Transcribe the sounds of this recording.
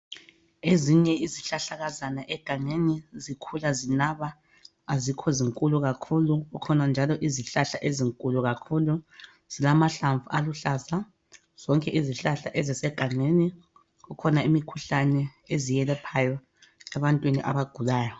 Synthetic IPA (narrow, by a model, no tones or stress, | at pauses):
eziɲɛiziɬaɬaɣazanaʔɛɡ̥ʱaŋenizikʰulazinaβaː | zikʰɔziŋkʼuluɣakʰuluɣukʰɔnand͡ʒʱalɔʔiziɬaɬaʔeziŋkʼuluɣakʰulu | z̥ilamaɬaɱvualuɬaza | z̥ɔŋkʼɛʔiziɬaɬaʔezisɛɡ̥ʱaŋeni | ɣukʰɔnaimikʰuɬanɛezijɛlɛpʰajɔ | ɛβantʼwinḭʔa̰βaɡ̥ʱulaːjɔ